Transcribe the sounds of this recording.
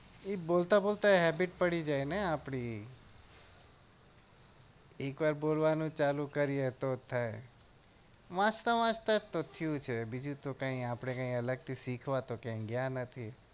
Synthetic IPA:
ebolt̪abolt̪aeɦɛbiʈpəɽid͡ʒajneapɽi | ekʋaɾbolʋanũt͡ʃalũkəɾijet̪ot̪ʰae | ʋãt͡ʃt̪aʋãt͡ʃt̪at̪ot̪ʰijũt͡ʃʰebid͡ʒũt̪okãĩapɽ̃ekãĩələɡ̚t̪ʰisikʰʋat̪okãɡjãnət̪ʰi

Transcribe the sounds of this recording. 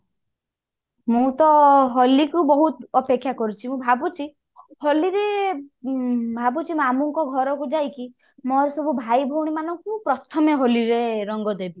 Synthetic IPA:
mũt̪ɔɦɔlikubɔɦut̪ɔpekʰːjakɔɾit͡ʃʰimũbʱabut͡ʃʰi | hɔliɾe | bʱabut͡ʃʰimamuŋkɔɡʱɔɾɔkud͡ʒajki | mɔɾesɔbʱubʱajbʱɔwɽ̃imanɔŋkupɾɔt̪ʰɔmeɦoliɾeɾɔŋɡɔd̪ebi

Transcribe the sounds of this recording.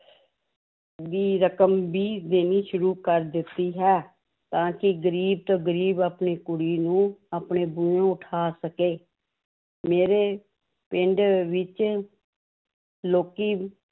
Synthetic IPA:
d̪iːɾəkəmbiːd̪eːniːʃʊɾuːkəɾd̪ɪt̪ːiːɦɛː | t̪ãːkɪɡəɾiːb̚t̪aːɡəɾiːbaːpniːkʊɽiːnũːaːpɳeːbuẽːʊʈʰaːsəkeː | meːɾeː | pɪɳɖʋɪt͡ʃ | loːkiː

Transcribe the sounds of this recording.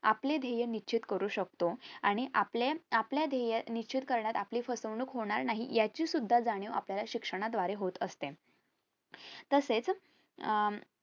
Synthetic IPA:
a̰pled̪ʱejənit͡ɕʰit̪kəɾuːɕək̚t̪oaɽ̃iʔapleapljad̪ʱejənit͡ɕʰit̪kəɾɳjat̪apliːfəsəʋɳuːkɦoɳ̃aɾnaɦḭjat͡ɕiːsud̪ʱːad͡zaɽ̃iapljalaɕikʂəɽ̃ad̪ʋaɾeɦot̪əst̪e | t̪əset͡s

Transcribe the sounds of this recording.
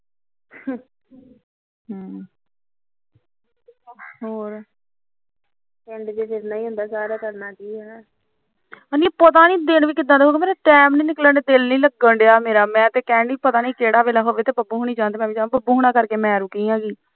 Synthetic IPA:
oːɾ | kɛɳɖd͡ʒeːd͡ʒeɾnaːĩːɦʊ̃nd̪aːsaːɾaːk̪əɾnaːkiːɦɛː | əniːpət̪aːnĩːd̪ɪnʋiːkɪd̪ãːd̪eɦoːkemeːɾaːʈɛːmnĩːnɪkləɳɖeːd̪ɪlnĩːləɡəɳɖeaːmeːɾaːmɛ̃ːt̪eːkɛ̃ːɳɖiːpət̪aːniːkeːɽaːʋeːlaːɦoːʋeːt̪eːbəbuːɦoːɳ̃iːd͡ʒãːnd̪eːmɛ̃ːʋiːd͡ʒaːbəbuːɦoːɽ̃aːkəɾkeːmɛ̃ːɾũːkiːjãːɡiː

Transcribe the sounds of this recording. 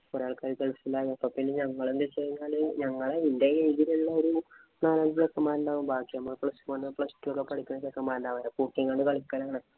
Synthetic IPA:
poɾaːɭkaːɾikːeɭsilːaːjɐpːɐpːinːeɲɐŋːɐɭend̪et͡ɕejiɲːaːɭɨɲɐŋːɐɭeindejeiðiliɭːɐoɾu | naːlaːnd̪ijokːɐmaːɾuɳɖaːʋumbaːkːiɐmːɐpɭɐsuʋɐnːɨpɭɐstːujokːepɐɽʰikʲːunːɐt͡ɕekːɐmːaːɾuɳɖaːʋɐɾɐpuːkːjiŋɡaːɳɖɨkɐɭikʲːɐɾaːɳɨ

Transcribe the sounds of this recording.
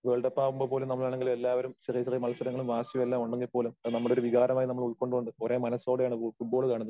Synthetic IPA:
ʋe̞ːɭɖɐpːaːʋumbopo̞ːlumnɐmːɐɭaːɳeŋɡilumelːaːʋɐɾumɕɐrijɐɕɐrijmɐlɐst̪ʰɐɾɐŋːɐɭumʋaːɕjɐmelːaːmuɳɖeŋɡipːo̞ːlumɐnɐmːɐɭo̞ɾuʋiɣaːɾɐmaːjinɐmːɐɭuɭko̞ɳɖɨɣoɳɖɨoɾe̞ːmɐnɐsoːɽejaːɳfuʈ̚boːɭkaːɳunːɐ

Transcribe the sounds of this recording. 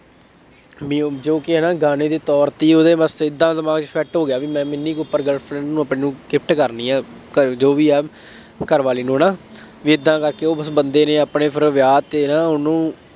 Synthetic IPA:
md͡ʒoːkɪɦɛːnaːɡaːneːd̪eːt̪ɔːɾt̪iːoːd̪eːbəsɪd̪ːãːd̪əmaːɡt͡ʃpʰɛːʈɦoːɡjaːʋiːmɛ̃ːmɪnːiːkeʊpːəɾɡəlpʰɾɛ̃ːɳɖnũːəpneːnũːɡɪp̚ʰʈkəɾniːãːkəd͡ʒoːʋiːɛː | kəɾʋaːliːnũːnãː | ʋiːɪd̪ːãːkəɾkeːoːbəsbənd̪eːneːaːpneːpʰɪɾʋjaːt̪eːnãːʊnũː

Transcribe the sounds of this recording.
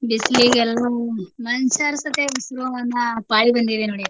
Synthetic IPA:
ɖisliːɡɛlːɐmɐnt͡ʃaːɾsɐt̪eʋusɾoːɐnːɐpaːɭibɐnd̪id̪enoːɽi

